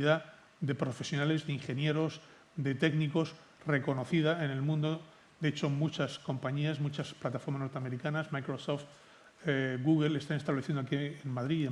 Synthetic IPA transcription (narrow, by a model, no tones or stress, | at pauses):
ða | d̪e̞pɾo̞fe̞sjo̞nale̞zðeiŋxe̞nje̞ɾo̞z | d̪e̞t̪e̞ɡniko̞s | re̞ko̞no̞θiðae̞ne̞lmũnd̪o | d̪eet͡ʃo̞mut͡ʃasko̞mpaɲiazmut͡ʃasplat̪afoɾmasnoɾt̪eame̞ɾikanasmajkɾosoft̪ | ɣuɣelest̪anest̪aβle̞θjenoakienmaðɾie